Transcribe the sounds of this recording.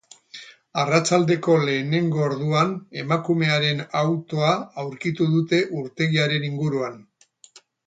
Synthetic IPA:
arat͡ʃald̪e̞ko̞le̞ːne̞ŋɡo̞ːɾðuane̞makume̞aɾe̞nawt̪o̞aawɾkit̪uðut̪e̞ʔuɾt̪e̞ɣiaɾe̞niŋɡuɾuan

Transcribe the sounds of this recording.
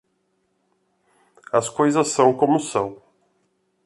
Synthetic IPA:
ɐskojzɐsːɐ̃w̃kõmʊsɐ̃w̃

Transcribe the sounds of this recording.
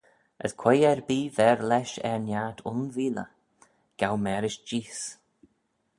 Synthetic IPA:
ʔə̰skʰwɛjɛɹbiːvɛɹlɛʃɛ̰ɹnjaːt̪ʰʊnviːlə̰ | ɡ̥awmɛːɾɪʃd͡ʒiːs

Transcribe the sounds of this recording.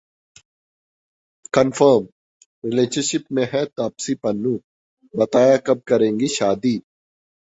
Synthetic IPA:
kɐnfəɾm | ɾɪleːɕɐɾʃɪpmẽɦɛt̪aːpsipɐnːũː | bɐt̪aːjakɐb̚kɐɾẽːŋɡiʃaːd̪iː

